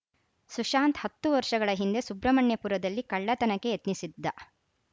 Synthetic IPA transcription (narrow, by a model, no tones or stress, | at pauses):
suʃaːnt̪hɐt̪ːuʋɐɾʂɐɡɐɭɐɦind̪e̞subɾɐmɐɳjɐpuːɾɐd̪ɐlːikɐɭːɐt̪ɐnɐkːe̞jet̪nisid̪ːɐ